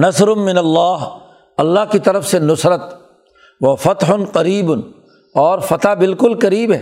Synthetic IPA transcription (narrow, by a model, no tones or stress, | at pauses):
nɐsɾʊmɪnɐlːaːɦ | ɐlːaɦkit̪ɐɾəfsenʊsɾət̪ | ʋɐfɐt̪ɦʊnqɐɾiːbn | ɔːɾfɐt̪abɪlkʊlkɐɾiːbɦɛː